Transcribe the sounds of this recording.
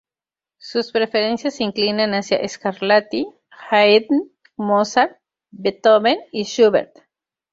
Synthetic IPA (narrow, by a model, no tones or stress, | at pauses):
suspɾefeɾensjasiŋklinãnasja̰ʔeskaɾlat̪i | xajd̪n | mosaɾ | bet̪oβeniʃuβeɾt̪